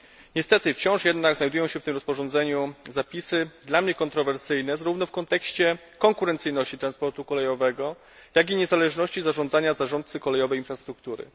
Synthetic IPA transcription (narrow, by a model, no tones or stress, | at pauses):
ɲɛst̪ɛt̪ɘft͡ɕɔ̃w̃ʂjɛd̪naɡznajd̪ujɔ̃w̃ɕɛft̪ɘmɾɔspɔʐɔnzɛɲuzapʲisɘd̪lamɲɛkɔnt̪ɾɔvɛɾsɘjnɛzaɾuvnɔfkɔnt̪ɛkɕt͡ɕɛ | kɔŋkuɾɛnt̪sɘjnɔɕt͡ɕit̪ɾanspɔɾt̪ukɔlɛjɔvɛɡɔ | jaɡʲiɲɛzalɛʐnɔɕt͡ɕizaʐɔnd̪zaɲazaʐɔnt̪t̪sɘkɔlɛjɔvɛjinfɾast̪ɾukt̪uɾɘ̰